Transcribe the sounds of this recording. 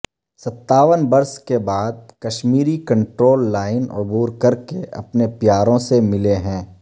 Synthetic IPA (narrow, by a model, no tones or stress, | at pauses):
sɐt̪ːaːʋənbɐɾskebaːd̪̚kɐʃmiːɾikɐ̃ɳʈɾoːlːaːɪnʊ̰buːɾkɐɾkeɐ̰pnepjaːɾõsemɪleɦɛ̃ː